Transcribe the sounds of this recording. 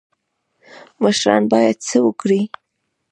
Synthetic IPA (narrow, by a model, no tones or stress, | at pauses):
məʃɾɑ̰nbɑjad̪̚t͡səwəkɽi